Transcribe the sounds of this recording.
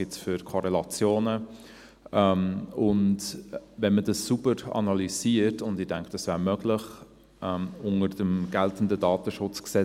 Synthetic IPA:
ɪtfʏɾkʰɔɾɛlɑt͡sjoːnə | ʔɛmʊndvɛnmədɑsːubəɾɑ̰nɑliziːəɾtʊndɪdæŋkʰd̥ɑsv̥æːɾmœɡlɪχ | ʔɛmʊŋəɾdəmɡ̥ɛltən̩dədɑːtəʃʊt͡sksɛ

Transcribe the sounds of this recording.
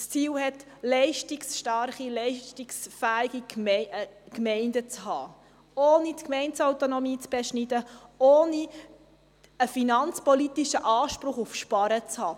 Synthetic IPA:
st͡siːlhɛtlɛɪʃtiksʃtɑɾχilɛɪʃtiksfæːiɡi | kmɛɪndət͡shɑː | oːnitkmɛɪnsawt̪onɔmiːt͡sb̥ɛʃnidəoːni | əfinɑnt͡spɔlitiʃəʔɑːʃpɾʊχufʃpɑɾət͡shɑː

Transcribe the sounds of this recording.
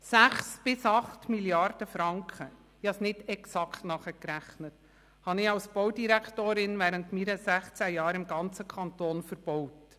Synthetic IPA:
sæχsb̥ɪsɑχtmiljɑrd̥əfɾɑŋkχə | jɑsnɪdɛksɑkʰtnɑχəkɾæχnət | hɑnɪɑwsbɔwdiɾækʰtoːɾɪnvæːɾəntmiːɾəsæχt͡sæjɑːɾɪmɡɑnt͡səkʰɑntoːnfəɾb̥ɔwt

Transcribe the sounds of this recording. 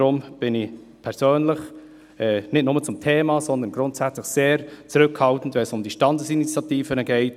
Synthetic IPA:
ɾʊmb̥ɪnɪç | pʰɛɾsøːnlɪç | ɛnɪtnʊmət͡sʊmtʰeːmɑzɔnd̪ənɡɾʊntsɛt͡slɪçseːɾt͡suɾʏkhɑltn̩tvɛnsʊmd̥iʃtɑndəsinit͡sjɑtiːfənəɡɛɪt

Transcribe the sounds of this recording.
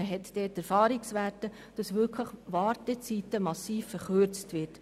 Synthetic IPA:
əɦɛtd̥ɛːtɛɾfɑːɾiksʋæːtə | d̥ɑsʋʏkʰləχʋɑːɾtɛt͡sitəmɑsiːfːəɾχøɾt͡stvɪt

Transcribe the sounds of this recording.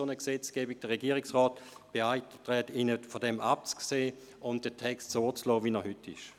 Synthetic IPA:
onəksɛt͡sɡ̥ɛːbiɡ̚d̥əʁɛɡiːʁɪksʁɔːtb̥eaɪttʁɛtinəfodɛmʔap̚t͡skseː | ʊnt̚d̥ətʰɛkstsoːt͡slɔːvinɛɐhʏtʰːɪ̰ʃ

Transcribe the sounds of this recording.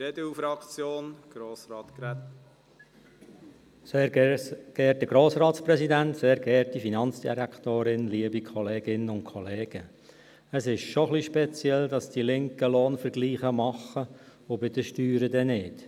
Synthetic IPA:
edəufɾɑkt͡sjoːnɡ̥ɾoːsɾɑːt̪kɾɛt | s | ɡ̥ɛːtdəɡ̥ɾoːsrɑːtspɾɛsidænt̪seːɾɡɛːtifinɑnsd̥ḭɾæktoːɾɪnliːəbikʰɔleːɡ̥ɪnənʊntkʰɔleːɡ̥ə | əsɪʃʃoχliʃpɛt͡sjɛldɑsd̥ilɪŋkəloːnfəɾɡliːχəmɑχə | ʊbɪdəʃtyːɾədɛnɪːt

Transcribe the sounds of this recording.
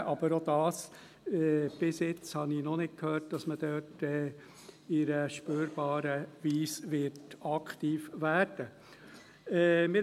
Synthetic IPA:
ʔɑb̥əɾod̥̪ɑːs | ɛb̥ɪsjɪt͡shɑninɔnɪt̚kʰhøːɾt̚d̥ɑsməd̥øːtɛ | ɪɾəʃpøːɾb̥ɑːɾəʋiːsʋɪɾtɑkχt̪iːfʋæːɾd̥ə | ɛmɪ

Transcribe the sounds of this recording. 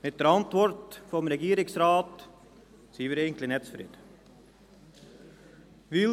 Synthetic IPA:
mɛt̪ːɾɑnt̪ʋɔɾt̪fɔmɾɛɡiːɾɪŋsɾɑːt̪ | siːʋəɾeːɡənt̪lɪnɛt̪sfɾy̰d̪ | ʋɪ

